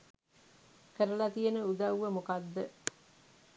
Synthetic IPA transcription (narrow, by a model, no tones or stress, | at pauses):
kəɾəlat̪ijənəud̪ɐwʋəmokad̪ːə